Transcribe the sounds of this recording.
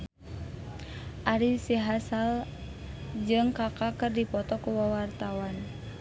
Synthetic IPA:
ʔaɾisiɦasal | d͡ʒɨŋkakakɨrdipɔt̪ɔkuwawart̪awan

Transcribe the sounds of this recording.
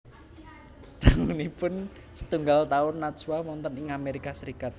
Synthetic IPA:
d̪̥aŋunipʊn | sə̥t̪uŋɡalt̪aʊnːat̪swamɔnt̪ənɪŋameɾikasəɾikat̪̚

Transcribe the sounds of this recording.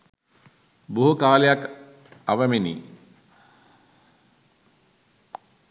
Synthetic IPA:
buɦukaːlejak | ɐʋɐminḭ

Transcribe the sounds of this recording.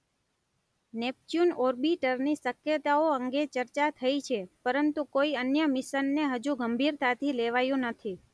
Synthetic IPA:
nep̚t͡ʃjunɔɾbiʈəɾnisəkjət̪aoəŋɡet͡ʃəɾt͡ʃat̪ʰəit͡ʃʰepəɾənt̪ukoiənjəmɪʃənːeɦəd͡ʒũɡəmbʱiɾt̪at̪ʰileʋajũnət̪ʰi

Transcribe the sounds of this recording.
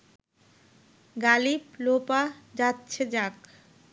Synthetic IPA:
ɡaliplopad͡ʒatːt͡ʃʰed͡ʒak

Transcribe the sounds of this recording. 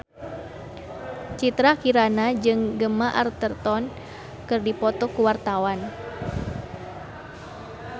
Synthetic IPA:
t͡ʃit̪ɾakiɾanad͡ʒɨŋɡəmaʔart̪ərt̪ɔn | kɨrdipɔt̪ɔkuwart̪awan

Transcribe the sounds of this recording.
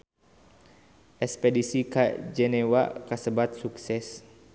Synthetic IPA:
ʔɛspɛdisikad͡ʒɛnɛwakasəbat̪̚suksɛs

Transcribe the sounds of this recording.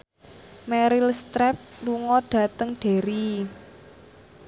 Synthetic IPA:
mɛɾilst̪ɾɛp̚luŋɔɖ̥ä̤t̪əŋɖ̥e̤ɾi

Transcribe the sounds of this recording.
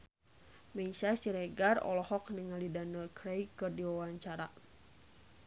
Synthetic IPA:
mɛsasiɾɛɡarɔ̰lɔhɔk̚niŋalidanəlkɾejkɨrdiwawaɲt͡ʃaɾa

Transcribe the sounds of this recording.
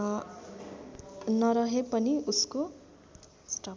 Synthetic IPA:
nʌɾʌɦepʌniusko | sʈʌ

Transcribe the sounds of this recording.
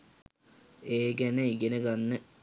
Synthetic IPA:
eːɡæneiɡenəɡanːə

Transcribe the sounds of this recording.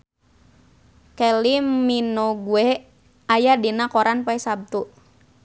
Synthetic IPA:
kɛliminoɡuɛ | ajadinakɔɾanpaɛsab̚t̪u

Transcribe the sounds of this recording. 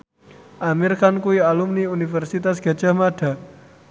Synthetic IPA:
ʔamirkankuialumniunifɛrsit̪asɡ̥a̤d̥ʒ̥a̤hmaɖ̥a̤

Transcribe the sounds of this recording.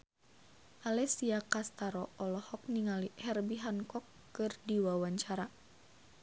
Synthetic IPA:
ʔalɛsiakast̪aɾɔɔlɔhɔk̚niŋalihɛrbiɦankɔkːɨrdiwawaɲt͡ʃaɾa

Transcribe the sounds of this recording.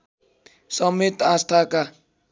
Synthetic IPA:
sʌmet̪ast̪ʰaka

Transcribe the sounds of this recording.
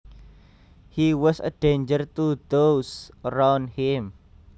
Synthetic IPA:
hiwɔsə̰ɖ̥ẽnd͡ʒərt̪ud̪osəɾawnhim

